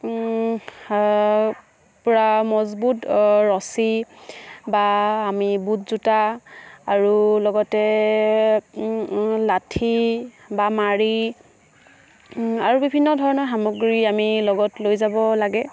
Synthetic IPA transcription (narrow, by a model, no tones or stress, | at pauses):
pʊɹamɔzbutɹɔsi | baːmibutzutaaɹulɔɡɔtɛ | latʰi | bamaɹi | aɹubibʱinːɔdʱɔɹɔnɔɹɦamoɡɹiamilɔɡɔtlojzabɔlaɡɛ